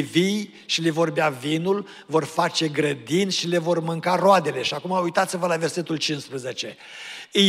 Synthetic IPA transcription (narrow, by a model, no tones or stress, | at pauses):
vij | ʃilevo̞rbeavinul | vo̞rfat͡ʃe̞ɡɾəd̪inʃile̞vo̞rmɨŋkaroad̪e̞le̞ʃiakumaujt̪at̪sivəlave̞rse̞t̪ult͡ʃinspɾezet͡ʃe̞ | ɨ